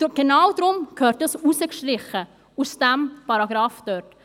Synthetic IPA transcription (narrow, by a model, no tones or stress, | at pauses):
dɡ̥enawd̪ɾʊmkʰhøːɾtəsusəkʃtɾɪχə | usd̥æmpɑɾɑɡɾɑːfd̥œɾt